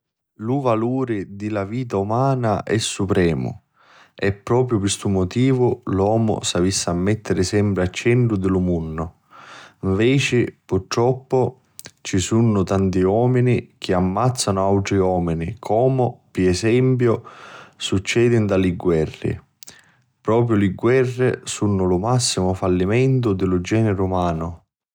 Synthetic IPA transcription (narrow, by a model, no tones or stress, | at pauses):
luvaluːɾɪd̪ilaviːt̪̬aumaːnaʔɛsːupɾɛːmʊ̰ | ɛpːɾɔːp̬ɾjʊpɪst̪umːot̪iːvʊlwɔːmʊ̰savisːaːmːɛt̪ːɪɾɪsɛmpɾɪat͡ʃːɛɳʈɾʊd̪ɪlʊmunːʊ | iɱvɛːt͡ʃɪpurt̪ːɾɔpːʊ | t͡ʃisunːʊt̪ant̪iɔːminik̟ʰɪamːat̪sːanʊawt̪ɾiɔːminikʰɔːmʊpiɛsɛmpjʊsut͡ʃːɛːd̪ind̪alɪɡwɛrːɪ̰ | pɾɔːpɾjʊlɪɡwɛrːɪ̰sunːʊlʊmasːimʊfalːimɛnt̪ʊd̪ɪlʊd͡ʒɛːnɪɾumaːnʊ